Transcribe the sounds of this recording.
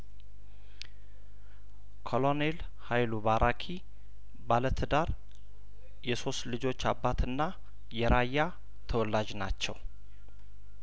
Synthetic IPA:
kʰolonel | hajlubaɾʔakʰi | balət̪ʰɨd̪aɾ | jɛso̞st̪lɨd͡ʒo̞t͡ʃːabːat̪ɨnːa | jɛɾʔajːa | t̪ʰəwɔlːad͡ʒna̰t͡ʃːɛ̰w

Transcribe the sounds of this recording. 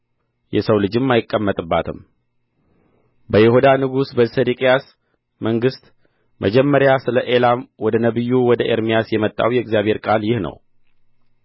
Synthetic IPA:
jɛsəwlɨd͡ʒɨmːajɪkʼːəmːət̪ʼɨbːa̰t̪ʰɨm | bəjɪhud̪anɨɡusbəsed̪ikʼejas | məŋɡɨst̪ | mʔəd͡ʒɛmːəɾjasɨləʔelamwɔd̪ənəβɨjːuwɔd̪əʔeɾmijasjɛmət̪ʼːa̰wjɛɪɡzjaβhe̞ɾkʼaljɪhnə̰w

